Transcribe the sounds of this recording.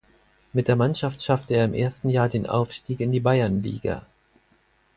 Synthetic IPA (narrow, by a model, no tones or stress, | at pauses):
mɪt̚d̥eːɐmanʃaftʃaftəeːɐɪmʔḛːɐstn̩jaːɐdeːnʔa̰ʊfʃtiːkɪndiːbaɪɐnlḭːɡa̰